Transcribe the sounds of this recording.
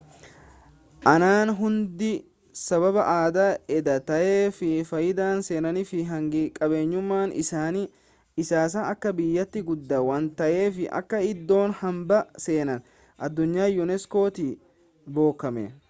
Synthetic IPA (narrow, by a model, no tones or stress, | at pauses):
ʔɐnaːnɦʊnd̪ɪ | sɐβɐbɐʔaːd̪aːɛd̪ɐt̪ɐʔeːfɪfɐjɪd̪aːnse̞ːnɐnɪfɪɦɐŋɡɪkʼɐbe̞ːɲːʊmːaːnʔɪ̰saːniː | ɪsaːs̬aːɐkːɐbɪjːɐt̪ːɪɡʊd̪ːɐwɐnt̪ɐʔe̞ːfɪʔɐ̰kːɐɪd̪ːo̞ːnhɐmbɐse̞ːnɐn | ʔɐd̪ːʊɲːaːjʊnɛsko̞ːt̪i | bo̞ːkːɐmḛ